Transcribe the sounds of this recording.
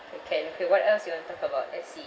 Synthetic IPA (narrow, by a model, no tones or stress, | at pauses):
okʰɛ̃nokʰewɔtɛlsjuwɔ̃nət̪ɔkəbaʊt̚ɛsi